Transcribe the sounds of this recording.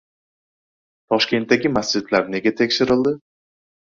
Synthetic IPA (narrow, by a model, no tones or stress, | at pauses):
t̪ʰɒʃkʲe̞nt̪ːaɡʲɪmasd͡ʒɪd̪laɾne̞ɡʲat̪ʰe̞kʲʃɪɾɪld̪ɪ